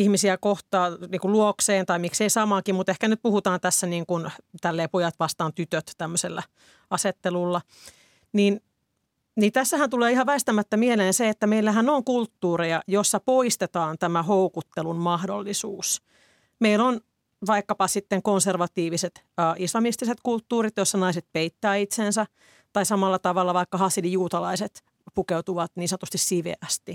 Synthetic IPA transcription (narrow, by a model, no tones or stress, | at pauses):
ihmisiækoht̪ɑːniːkuluokseːnt̪ɑimikseisɑmɑkimmut̪ehkænyt̪̚puhut̪ɑːnt̪æsːæniːŋkunt̪ælːeːpojɑt̪ʋɑst̪ɑːnt̪yt̪øt̪t̪æmːøselːæ | ɑset̪ːelulːɑ | niːn | nint̪æsːæhænt̪uleːihɑʋæist̪æmæt̪ːæmieleːnseet̪ːæmeilːæɦænoŋkult̪ːuːrejɑjosːɑpoist̪et̪ɑːnt̪æmæhoukut̪ːelummɑhdo̰lːisuːs | meilon | ʋɑikːɑpɑsit̪ːeŋkonserʋɑt̪iːʋiset̪ː | ʔislɑmist̪iset̪kult̪ːuːrit̪josːɑnɑiset̪̚peit̪ːæːit̪sensæ | t̪ɑisɑmɑlːɑt̪ɑʋɑlːɑʋɑikːɑhɑsilijuːt̪ɑlɑiset̪ | pukeut̪uʋɑt̪niːsɑnt̪ust̪issiʋḛæst̪i